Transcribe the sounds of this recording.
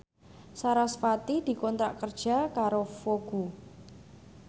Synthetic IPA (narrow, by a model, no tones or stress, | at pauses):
saɾasfat̪id̪̥i̤kɔnt̪ɾa̰ʔkərd̥ʒ̥a̤kaɾofoɡ̥u